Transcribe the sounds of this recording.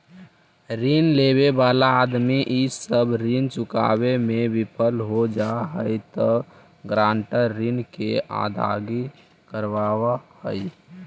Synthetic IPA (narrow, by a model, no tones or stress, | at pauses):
ɾinlebebaːlaːd̪miʔisəbɾint͡ʃʊka̰bemebipʰəlɦod͡ʒaɦəjt̪ə | ɡɾãːɳʈəɾːinkea̰d̪ʱa̰ɡi | kəɾʋawahəj